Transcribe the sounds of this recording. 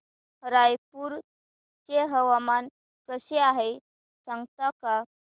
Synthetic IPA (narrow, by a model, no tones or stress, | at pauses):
hɾajpuɾ | t͡ɕeɦəʋaman | kəseaɦe | sãŋɡt̪aka